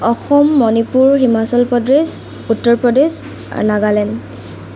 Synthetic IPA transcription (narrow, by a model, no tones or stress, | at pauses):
ɔxɔmːɔnipuɹɦimasɔlpɔdɹes | utːɔɹpɹɔdes | a̰ɹnaɡalɛn